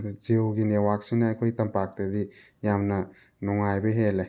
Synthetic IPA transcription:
d͡ʒewɡinewak̚sinɐajkʰojtɐmpak̚ted̪i | jamnɐ | nuŋajbeɦele

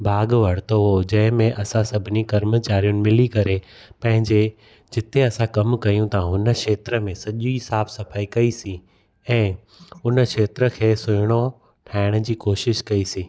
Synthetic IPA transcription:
bʱaːɡʋɐɽ̤t̪oɦod͡ʑɐ̃ɦɪ̃mẽʔɐsãsɐbʱɪnikɐɾmət͡ɕaːɾijʊnɪ̆mɪlikɐɾe | pɐ̃ɦɪ̃ɲd͡ʑe | d͡ʑɪt̪ʰeɐsãkɐmkɐjũt̪ɐãɦʊnə̆ʃeːt̪ɾəmẽsɐʄisaːbsɐfaːikɐisĩ | ɛ̃ː | ʊnəkʃeːt̪ɾə̆kʰeːsʊɽ̃o | ʈʰaːɪɽ̃ə̆d͡ʑiːkoːʃɪʃkɐisĩː

